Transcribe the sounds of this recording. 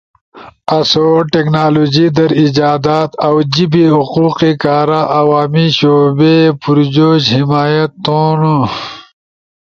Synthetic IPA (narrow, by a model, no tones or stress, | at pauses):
ɐsoːʈeknaːloːd͡ʑid̪ɐɾid͡ʑaːd̪aːt̪ɐwd͡ʑibiɦuquːqikaːɾaʔɐwaːmiɕoːbepuɾd͡ʑoːɕhimaːjɐt̪ːõːno